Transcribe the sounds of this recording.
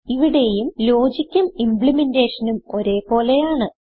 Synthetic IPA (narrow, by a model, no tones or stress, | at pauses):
iʋiɽe̞jumlo̞ːd͡ʑikʲːɐmimpɭimende̞ːʂɐnumo̞ɾe̞ːpo̞ːle̞jaːɳɨ